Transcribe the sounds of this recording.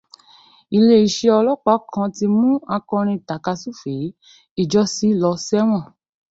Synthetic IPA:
i˧˨le˦i˨ʃe˧ɔ˧lɔ˦k͡pa˨˦kʰã˧ti˧mũ˦a˧kɔ̃˧ɾ̃ĩ˧˨ta˨ka˧su˦˨fe˨˦ | i˦˨d͡ʒɔ˦si˨˦lɔ˧sɛ˦w̃ɔ̃˦˨

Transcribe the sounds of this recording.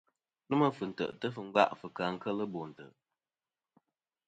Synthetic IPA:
nɨ˦mə˦fɨ˨n̩˨tə̰˨ʔtə˦fɨ˨ŋ̩˦ɡa̰˦ʔfɨ˨kaː˨ŋ̩˦kə˦lə˦bo˨n̩˨tə̰˨ʔ

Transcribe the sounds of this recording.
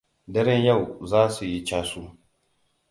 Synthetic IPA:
dɐ˦ɾɛ˦nja˦˨wzaː˦su˨ji˦t͡ʃaː˦su˦

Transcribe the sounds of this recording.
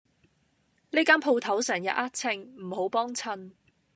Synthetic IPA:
niː˥kaː˥npʰo˧wt̪ʰɐ˨˥wsɛː˨˩ŋjɐ̰˨t̚a˥t̚t͡sʰɪ˧ŋm̩˨˩ho˨˥wpɔː˥ŋt͡sʰɐ˧n

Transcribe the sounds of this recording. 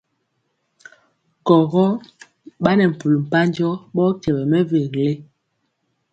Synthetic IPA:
kɔ˨ɣɔ˦ | ɓa˦nɛ˨m̩˨pu˨lm̩˨pa˦n˦d͡ʒɔ˦ɓɔ˦kɛ˨bɛ˨mɛ˦ve˨ɣle˦

